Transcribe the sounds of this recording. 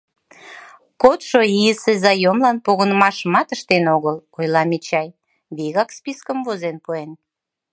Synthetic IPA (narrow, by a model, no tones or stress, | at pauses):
kot̪ʃoiəsezɑjomlɑnpoɣə̆nəmɑʃəmɑt̪əʃt̪enoɣəlojlɑmit͡ɕɑj | βiɣɑkspiskəmvozenpuen